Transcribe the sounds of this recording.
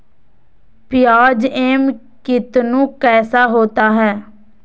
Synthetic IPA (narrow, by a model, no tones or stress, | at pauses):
pɪjaːd͡ʒeːm | kɪt̪nũːkɛːsaːɦoːt̪aːɦɛː